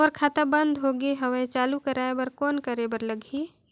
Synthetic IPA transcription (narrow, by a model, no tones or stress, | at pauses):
ɔːɾkʰat̪abə̃nd̪ʱɦoɡeɦəwet͡ʃaːlukəɾaebəɾkɔːnkəɾebəɾləɡʱi